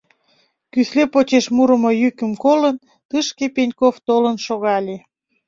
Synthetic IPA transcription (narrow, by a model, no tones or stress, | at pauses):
kyslepot͡ɕeʃmuɾəmojykəmkolən | t̪ɨʃkepenʲkoft̪olənʃoɣɑlʲe